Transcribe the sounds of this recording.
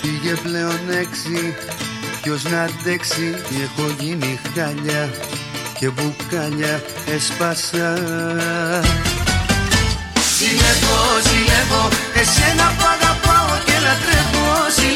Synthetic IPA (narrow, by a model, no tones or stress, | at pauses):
iʝeple̞one̞ksi | pço̞znɐd̪e̞ksitexo̞ʝinixaʎɐ | ce̞bukɐʎɐ | espɐsɐ | sieɣosieɣoesenɐpɐɣɐpaocelɐt̪ɾevosi